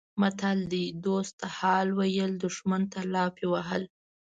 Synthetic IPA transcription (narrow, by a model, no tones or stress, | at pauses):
mat̪ald̪id̪ost̪ːahɑlwajəld̪ʊʃmant̪alɑpewaɦəl